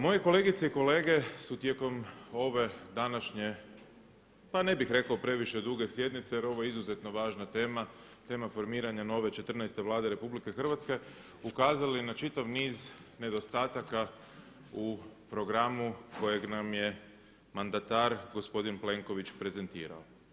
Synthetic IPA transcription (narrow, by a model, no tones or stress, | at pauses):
mo̞jeko̞le̞ːɡit̪seiko̞le̞ːɡe̞sut̪je̞ko̞mo̞ʋe̞d̪anaʃɲe̞ | pane̞bixɾe̞kaopɾe̞ʋiʃe̞d̪uɡe̞sje̞d̪nit̪seje̞ɾo̞ʋo̞jeizuze̞t̪no̞ʋaːʒnat̪eːma | t̪e̞ːmafo̞ɾmiːɾaɲano̞ʋe̞t͡ʃe̞t̪r̩najst̪e̞ʋlˠaːd̪e̞ɾe̞publike̞xr̩ʋat̪ske̞ | ukaːzalinat͡ʃit̪aʋniːzne̞d̪o̞st̪aːt̪aka | upɾo̞ɡɾamuko̞jeɡnamje̞ | mand̪at̪aɾɡo̞spo̞d̪inple̞ŋko̞ʋit͡ʃpɾe̞ze̞nt̪ḭːɾa̰o